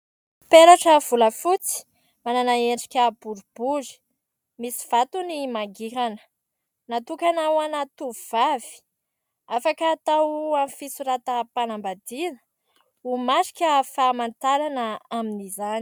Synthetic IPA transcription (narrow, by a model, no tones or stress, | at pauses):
peɾaʈ͡ʂəv̥uləfut͡si̥ | mananaeɳɖ͡ʐi̥kʲəb̥uɾub̥uzi̥ | misi̥v̥at̪unimaɡiɾanə̥ | nat̪ukʲanawanat̪uv̥avi̥ | afakaːt̪awamfisuɾat̪apanambad̪inə̥ | umaʃi̥kʲəfamant̪aɾanəaminizani